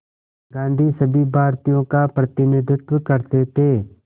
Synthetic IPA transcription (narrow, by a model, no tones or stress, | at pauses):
ɡãːnd̪ʱisɐbʱibʱaːɾt̪ijõkapɾɐt̪ɪnɪd̪ɪt̪wəkɐɾt̪et̪ʰeː